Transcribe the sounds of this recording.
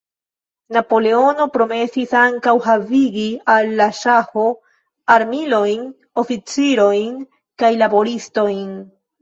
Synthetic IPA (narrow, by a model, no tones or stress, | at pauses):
napo̞le̞o̞no̞pɾo̞me̞sisaŋkawɦaviɡialːaʃaho̞ | aɾmilo̞jn | o̞fit͡siɾo̞jn | kajlabo̞ɾisto̞jn